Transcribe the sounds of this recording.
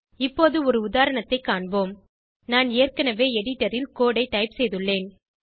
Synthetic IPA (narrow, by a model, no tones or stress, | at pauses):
ɪpːoːðɯɔɾɯʊðaːɾɐɳɐt̪ːɐɪkːaːɳboːm | naːneːrkɐnɐʋeːɛɽɪʈːɐɾɪlkoːɽɐɪʈːɐɪpsɛjðɯɭːeːn